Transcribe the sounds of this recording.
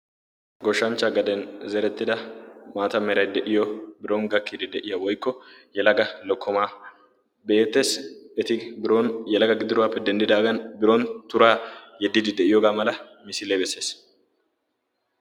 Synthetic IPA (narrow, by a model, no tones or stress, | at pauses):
ɡɔʃːɐnt͡ʃːɐɡɐd̪ɛnzɛɾɛt̪ːɪd̪ɐmaːt̪ɐmɛɾɐjd̪ɛʔɪjɔbɪɾoŋɡɐkːid̪ɪd̪ɛʔɪjɐwɔjkːɔjɛlɐɡɐlɔkʰːɔmaː | be̞ːt̪ːe̞sɛt̪ɪbɾonjɛlɐɡɐɡɪd̪ɪɾʊwaːpːɛd̪ɛnd̪ɪd̪aːɡɐnbɪɾont̪ʊɾaːjɛd̪ːɪd̪ɪd̪ɛʔɪjoːɡaːmɐlɐmɪsɪleːbɛsːe̞ːs